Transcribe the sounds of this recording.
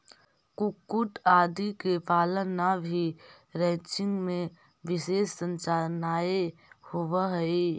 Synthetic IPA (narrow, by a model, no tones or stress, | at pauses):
kʊkːuʈaːd̪ikepaːlənabʱi | ɾɛ̃t͡ʃɪ̃ŋɡmẽ | ʋɪʃeːsːə̃nt͡ʃaːɾnaːehʊʋəɦɛi